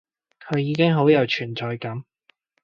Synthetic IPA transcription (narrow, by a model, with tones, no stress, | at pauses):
kʰɵ˨˧ɥjiː˨˧kɪ˥ŋɦo˨˥wjɐ˨˧wt͡ʃʰyː˨˩nt͡sɔː˨˧jkɐ˨˥m